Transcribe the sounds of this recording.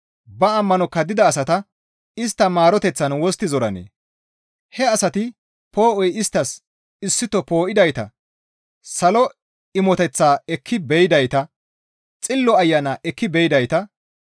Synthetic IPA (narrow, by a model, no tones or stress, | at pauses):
bɐːmːɐnɔkːɐd̪ɪd̪ɐːsɐt̪ɐ | ɪst̪ːɐmaːɾɔt̪ɛt͡sːɐnwɔst̪ːɪzɔɾɐ̰nḛː | hɛɐsɐt̪ɪ | po̞ːʔɔjɪst̪ːɐs | ɪsːɪt̪ɔpo̞ːʔɪd̪ɐjt̪ɐ̰ | sɐlɔ | ɪmɔt̪ɛt͡sːaːɛkʰːɪbɛjɪd̪ɐjt̪ɐ | t͡sʼɪlːɔɐjːɐnaʔɛkːɪbɛjɪd̪ɐjt̪ɐ